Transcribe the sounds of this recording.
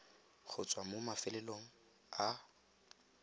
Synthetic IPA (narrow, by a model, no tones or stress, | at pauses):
χʰʊt͡sʼwamomafɪlɛloŋ̩ | a